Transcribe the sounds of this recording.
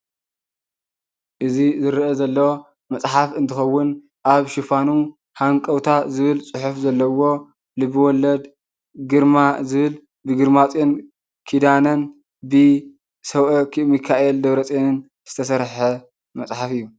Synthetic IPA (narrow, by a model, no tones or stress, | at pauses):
ʔɨzizɨɾʔɐzɐlːɐwo | mɐt͡sʼħafɨnt̪ʰɨxɐwːʊn | ʔaβʃɪfanu | haŋkʼɐwt̪ʰazɨβɨlt͡sʼɨħufzɐlːɐwo̞ | lɨβɨwɔlːɐd̪ | ɡɨɾmazɨβɨl | bɨɡɨɾmat͡sʼon | kʰid̪anɐn | bɨ | sɐwʔɐkʰɨʔumjɪkʰaʔɛld̪ɐβɾɐt͡sʼonɨn | z̥ɨt̪ʰɐsɐɾħɐ | mɐt͡sʼħafɨjːu